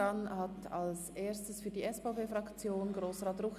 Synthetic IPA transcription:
anhatalsʔeːstəsfyːɐdiːɛsfaʊpeːfʁɑkt͡sjoːnɡʁoːsʁɑːtrʊx

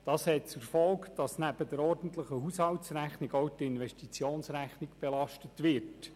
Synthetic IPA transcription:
d̥ɑːshɛt̚t͡suɾfɔlkd̥ɑsnæb̥əd̪əɾɔrd̥ən̩t̪ləχəɦushɑltsɾæχniɡowtɪnʋɛʃtit͡sjoːnsɾæχniɡb̥ɛlɑʃtətʋɪɾt

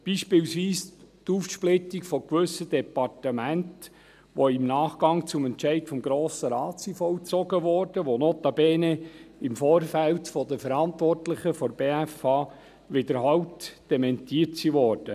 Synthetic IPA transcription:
b̥iʃpɪːwsʋiːst̪uːfʃplɪtikfɔkʋʏsːəd̪ɛpɑrtəmænt | ʋoɪmnɑːχɡ̥ɑŋt͡sʊmɛntt͡ʃɛɪtfɔmɡɾoːsəɾɑːt͡sifɔwt͡sɔɡəʋɔːrd̥əʋonoːt̪ɑbeːneɪmfoːɾfæltfɔd̪əfəɾɑnt̪ʋɔrtlɪχəfɔɾbeːæfɑː | ʋɪd̪əɾɦɑwtd̥ɛmɛntiːətsiʋɔːrd̥ə

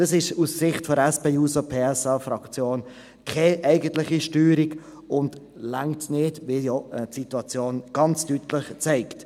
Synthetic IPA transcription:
d̥ɑsɪʃussɪχtfɔɾɛspeːuːsopʰeːɛsɑːfɾɑkt͡sjoːn | kʰɛʔɛɪɡəntlɪχiʃtyːɾiɡ | ʊnd | laŋtnɪːdʋɪljɔtsituɑt͡sjoːnɡ̥ɑnt͡stytləχt͡sɛɪkt

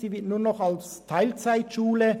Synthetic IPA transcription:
siːvɪtnuːɐnɔχalstʰaɪlt͡saɪtʃuːlə

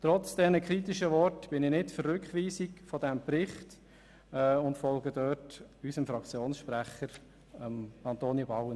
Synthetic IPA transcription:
tɾɔt͡sd̥ɛnəkʰɾit̪iʃəʋɔrtb̥ɪnɪnɪtfərːʏkχʋiːsikfɔd̥ɛmpɾɪχt | ɛʊntfɔlɡədœːtysəmfɾɑkt͡sjoːnsʃpɾæχəɾ | əmɑntoːnibɑʊwə

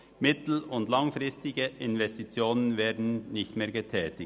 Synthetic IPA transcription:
mɪtl̩ʊndlaŋfʁɪstɪɡəʔɪnvɛstit͡sjoːnənveːɐdn̩nɪçtmeːɐɡətʰɛːtɪ

